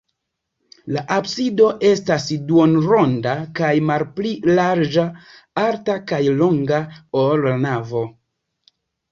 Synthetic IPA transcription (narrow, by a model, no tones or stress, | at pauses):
laʔabsido̞ʔe̞stasduonɾo̞ndakajmalplilaɾd͡ʒa | aɾtakajlo̞ŋɡaoɾnavo̞